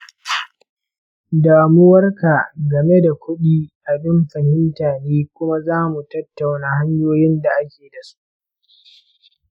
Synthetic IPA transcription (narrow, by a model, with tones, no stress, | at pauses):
daː˨mʊ˦wɐ˦rka˨ɡɐ˨me˦da˨kʷʰʊ˦ɗiː˦ʔa˨bɪ˦mɸɐ˨hɪ˦mtaː˨neː˦kʷʊ˦ma˦zaː˦mu˨tɐ˦tːa˨wnaː˨ha˦ɲjoː˦jɪ˦nda˨ʔa˦kʲeː˨da˨su̥˦ʔ